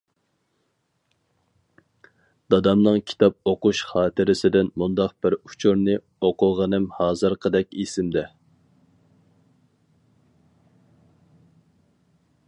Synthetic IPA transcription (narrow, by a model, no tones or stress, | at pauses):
d̪ɑd̪ɑmnɨŋkʲʰi̥t̪ʰɑp̚oquʃχɑːt̪ʰɪɾɪsɪd̪ɪnmund̪ɑq̚b̥ɪɾu̥t͡ʃʰuɾnɨ | oqʰʊʁənɨmhɑːzɨɾqʰəd̪ɛk̚ʲisɪmd̪ɛ